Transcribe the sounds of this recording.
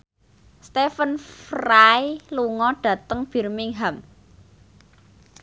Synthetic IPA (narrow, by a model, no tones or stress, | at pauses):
st̪efənfrajluŋɔɖ̥ä̤t̪əŋb̥i̤rmɪŋɦam